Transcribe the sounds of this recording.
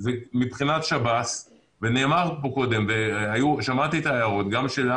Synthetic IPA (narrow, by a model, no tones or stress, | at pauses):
zemibχinat̪ʃabas | vene̞ːmaʁpo̞ko̞d̪e̞mveajuʃamat̪it̪aːjaʁo̞t̪ɡamʃela